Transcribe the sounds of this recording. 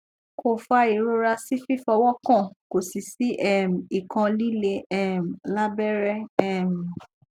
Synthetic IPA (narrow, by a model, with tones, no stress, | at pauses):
kʰo˦˨fa˦˧i˨ɾo˦ɾa˧si˦fi˦fɔ˧wɔ˦kã˦˨ko˨si˨si˨˦ʔɛ˦˨m̩˨i˨kã˧li˦le˧ɛ˦m˨la˦bɛ˦ɾɛ˦ɛ˦˨m˨